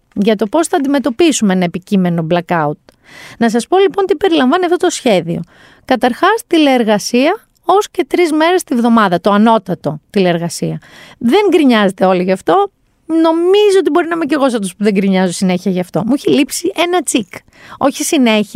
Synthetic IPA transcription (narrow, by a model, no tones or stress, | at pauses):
ʝɐt̪o̞po̞sθɐːnd̪ime̞t̪o̞pisumeenɐepicime̞no̞blɐkɐut̪̚ | nɐsɐspo̞lipo̞nt̪ipe̞ɾilɐɱvɐniɐft̪ot̪osçe̞ðio̞̰ | kɐt̪ɐɾxɐst̪ileːɾɣɐsiɐ | o̞sce̞t̪ɾizme̞ɾe̞st̪ivðo̞mɐðɐt̪oɐno̞t̪ɐt̪o̞t̪ile̞eɾɣɐsiɐðe̞ŋɡɾiɲɐze̞t̪e̞o̞liʝɐft̪o̞ | no̞mizoot̪̬ibo̞ɾinɐimeciɾɣo̞s̬ɐft̪ospuðe̞ŋɡɾiɲɐzosine̞çiɐʝɐft̪o̞muiçelipsiʔe̞nɐt͡sik | o̞çisine̞i